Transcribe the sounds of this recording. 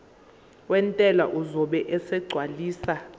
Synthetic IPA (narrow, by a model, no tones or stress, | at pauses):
wɛntʼɛlaʔuzɔɓɛʔɛsɛɡ͡ǀʱwaliːsa